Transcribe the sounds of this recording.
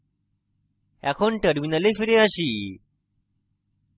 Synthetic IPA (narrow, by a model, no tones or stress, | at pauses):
ɛ̰kʰonʈəɾminəlefiɾeaɕi